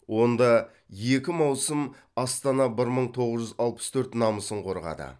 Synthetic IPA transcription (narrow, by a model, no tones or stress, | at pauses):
wo̞nd̪ɑ | jekʲɪmɑwsəm | ɑst̪ɑnɑbɪɾməɴt̪ʰo̞ʁəzʒʏzɑlˠpə̥st̪ʰɵɾt̪nɑməsəɴqʰo̞ɾʁɑ̰d̪ə̰